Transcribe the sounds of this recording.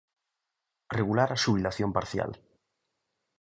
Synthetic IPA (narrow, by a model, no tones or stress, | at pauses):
reɣulaɾaʃuβilaθjõmpaɾθja̰l